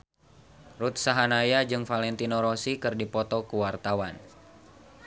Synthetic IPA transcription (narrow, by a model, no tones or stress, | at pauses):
rut̪̚saɦanajad͡ʒɨŋfalɛnt̪inɔɾɔsikɨrdipɔt̪ɔkuwart̪awan